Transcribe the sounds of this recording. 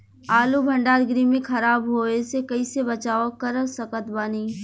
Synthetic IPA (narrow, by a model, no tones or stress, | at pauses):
aːlubʱɐ̃ɳɖaːɾɡɾimẽxʰɐɾaːbɦoːesekɐisebɐt͡ʃaːokɐɾəsɐkət̪baːniː